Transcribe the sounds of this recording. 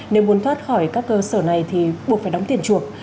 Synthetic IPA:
ne˨˦wmu˨˦ənt̪ʰwaː˦˥t̚xɔ˧˩jkaː˦˥kːəː˧səː˧˩na˨˩jt̪ʰi˨˩ɓu˨˩ək̚faː˧˩ɗwŋ͡mt̪ḭ˧˨ənt͡ɕu˨˩ək̚

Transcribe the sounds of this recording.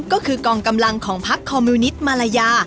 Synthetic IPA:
kɔː˥˩kʰɯː˧kɔː˧ŋka˧mla˧ŋkʰɔː˩˦ŋpʰa˦˥kʰːɔː˧mːuː˧ni˦˥t̪̚maː˧la˧jaː˧

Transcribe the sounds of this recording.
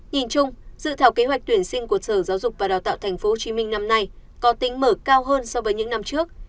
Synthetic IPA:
ɲi˨˩nt͡ɕʊ˧ŋ͡mzɨ̰˧˨t̪ʰaː˨˩wke˨˦hwk̚t̪wi˧˩ənsï˧ŋ̟ku˧˩əsəː˧˩zaː˨˦wzʊ˨˩k͡p̚vaː˨˩ɗaː˨˩wt̪a̰ː˧˨wt̪ʰɛ˨˩ŋ̟fo˨˦ho˨˩t͡ɕi˨˦mï˧ŋ̟na˧mna˧jkɔ˨˦t̪i˨˦ŋ̟məː˧˩kaː˧wɦəː˧nsɔ˧vəː˨˦jɲɨ̰˧˥ŋna˧mt͡ɕɨ˦˥ək̚

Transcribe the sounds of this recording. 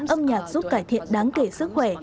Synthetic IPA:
nʔə˧mɲaː˨˩k̚zu˦˥p̚kaː˧˩jt̪ʰḭ˧˨ənɗaː˨˦ŋke˧˩sɨ˦˥k̚xwɛ˧˩

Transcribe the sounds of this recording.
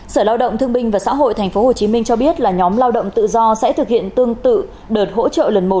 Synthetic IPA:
səː˧˩laː˧wɗə̰˧˨wŋ͡mt̪ʰɨ˧əŋɓï˧ŋ̟vaː˨˩sa̰ː˧˥ɦo̰˧˨jt̪ʰɛ˨˩ŋ̟fo˨˦ho˨˩t͡ɕi˨˦mï˧ŋt͡ɕɔ˧ɓi˦˥ət̚laː˨˩ɲɔ˨˦mlaː˧wɗə̰˧˨wŋ͡mt̪ɨ̰˧˨zɔ˧sɛ̰˧˥t̪ʰɨ˨˩k̚hḭ˧˨ənt̪ɨ˧əŋt̪ɨ̰˧˨ | ɗəː˨˩t̚ho̰˧˥t͡ɕə̰ː˧˨lə˨˩nmo˨˩t̚

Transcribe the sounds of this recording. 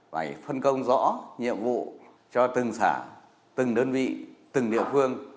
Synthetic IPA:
faː˨˩jfə˧nkə˧wŋ͡mzɔ̰˧˥ɲḭ˧˨əmvṵ˧˨ | t͡ɕɔ˧t̪ɨ˨˩ŋsaː˧˩ | t̪ɨ˨˩ŋɗəː˧nvḭ˧˨t̪ɨ˨˩ŋɗḭ˧˨əfɨ˧əŋ

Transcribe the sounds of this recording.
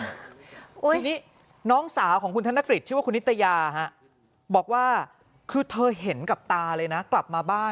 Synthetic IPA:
u˦˩˧niː˦˥ | nɔː˦˥ŋsaː˩˦wkʰɔː˩˦ŋkʰu˧nt̪ʰa˦˥na˦˥kɾi˨˩t͡ɕʰːwa˥˩ku˧nːi˦˥t̪ːa˧jaː˧ɦa˦˥ʔ | bɔː˨˩k̚waː˥˩ | kʰɯː˧t̪ʰɤː˧ɦe˩˦nka˨˩p̚t̪aː˧lɤː˧jna˦˥kla˨˩p̚maː˧baː˥˩

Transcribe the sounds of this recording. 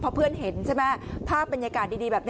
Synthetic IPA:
pʰɔ˧pʰɯ˥˩ənɦe˩˦nt͡ɕʰa˥˩mɛ˦˥pʰaː˥˩pːe˧njaː˧kaː˨˩t̪̚diː˧diː˧bɛː˨˩p̚n

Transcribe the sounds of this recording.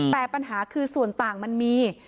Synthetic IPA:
t̪ɛː˨˩pa˧nɦaː˩˦kʰɯː˧su˨˩ənt̪aː˨˩ŋma˧nmiː˧

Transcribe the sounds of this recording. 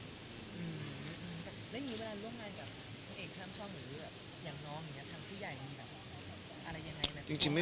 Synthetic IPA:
ʔɯː˧˩˧ʔɯː˧mt̪ɛː˨˩lɛ˦˥ja˧ŋiː˧˦˥we˧laː˧ɾu˥˩əmŋaː˧nbaː˨˩p̚ | kʰo˧nʔeː˨˩k̪ʰaː˥˩mt͡ɕʰɔː˥˩p̚ɾɯː˩˦bɛː˨˩p̚ | jaː˨˩ŋnɔː˦˥ŋja˨˩ŋːni˦˥ɐt̪ʰaː˧ŋpʰuː˥˩ja˨˩jmi˧nbɛː˨˩p̚ | ʔa˧ɾa˧jːa˧ŋa˧jna˦˥˩t͡ɕi˧ŋt͡ɕi˧ŋma˥˩

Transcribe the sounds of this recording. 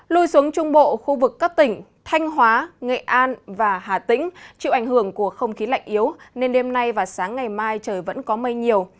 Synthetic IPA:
lu˧jsu˨˦əŋt͡ɕʊ˧ŋ͡mɓo̰˧˨xu˧vɨ˨˩kːaː˦˥k̚t̪ï˧˩ŋ̟t̪ʰa˧jŋ̟ɦwaː˨˦ŋḛ˧˨ʔaː˧nvaː˨˩ɦaː˨˩t̪ḭ̈˧˥ŋ̟t͡ɕḭ˧˨wʔa˧˩ŋ̟hɨ˧˩əŋku˧˩əxə˧wŋ͡mxi˨˦la̰˧˨jŋ̟ʔi˨˦əwne˧nɗe˧mna˧jvaː˨˩saː˨˦ŋːa˨˩jmaː˧jt͡ɕəː˨˩jvə̰˧˥nkɔ˨˦mə˧jɲi˨˩əw

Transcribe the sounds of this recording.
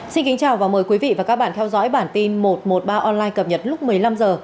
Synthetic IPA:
si˧nki˨˦ŋ̟t͡ɕaː˨˩wvaː˨˩məː˨˩jkwi˨˦vḭ˧˨vaː˨˩kaː˦˥k̚ɓaː˧˨nt̪ʰɛ˧wzɔ̰˧˥jɓaː˧˩nt̪i˧nmo˨˩t̚mo˨˩t̚ɓaː˧ʔɔ˧nlaː˧jkə˨˩p̚ɲə˨˩t̚lʊ˦˥k͡p̚mɨ˨˩əjla˧mzəː˨˩

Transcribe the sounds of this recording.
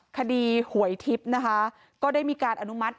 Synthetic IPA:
kʰa˧diː˧hu˩˦əjt̪ʰi˦˥p̚na˦˥kʰa˦˥ | kɔː˥˩daː˥˩jmiː˧kaː˧nʔa˧nu˦˥ma˦˥t̪̚

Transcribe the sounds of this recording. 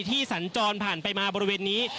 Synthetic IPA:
t̪ʰiː˥˩sa˩˦nt͡ɕɔː˧npʰaː˨˩npa˧jmaː˧bɔː˧ɾi˧weː˧nːiː˦˥

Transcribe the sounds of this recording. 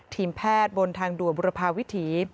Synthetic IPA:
t̪ʰiː˧˩mpʰɛː˥˩t̪̚bo˧nt̪ʰaː˧ŋdu˨˩əbu˧ɾa˧pʰaː˧wi˦˥t̪ʰiː˩˦

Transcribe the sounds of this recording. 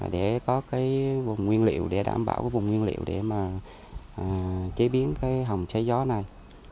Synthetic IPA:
a̰ː˨˩ɗe˧˩kɔ˨˦kaː˨˦jvʊ˨˩ŋ͡mŋwi˧ənlḭ˧˨ə̰˨wɗe˧˩ɗa̰ː˧˩mɓa̰ː˧˩wkaː˨˦jvʊ˨˩ŋ͡mŋwi˧ənlḭ˧˨ə̰wɗḛ˧˩maː˨˩˨ | t͡ɕe˨˦ɓi˨˦ənkaː˨˦jɦə˨˩wŋ͡mt͡ɕa˨˦jzɔ˨˦na˨˩j

